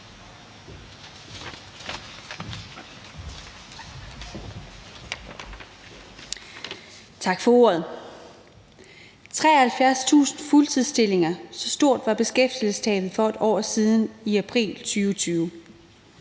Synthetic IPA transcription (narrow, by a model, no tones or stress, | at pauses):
t͡sʰɑ̈ɡ̥fɒ̽o̝̰ɐð̞ˠ | t͡sʰʁɛ̰ːɐhælfjæɐst͡sʰṵːsn̩fult͡sʰiðˠsd̥e̝le̝ŋɐsɒ̽sd̥o̝ɐ̰d̥ʋɑ̈b̥e̝sɡ̥efd̥ilsəst͡sʰɛ̰ːðð̩ˠfɒ̽e̝d̥ʔɒ̰ːsiðˠniæpʰʁḭːlt͡sʰyːʊt͡sʰyːʊ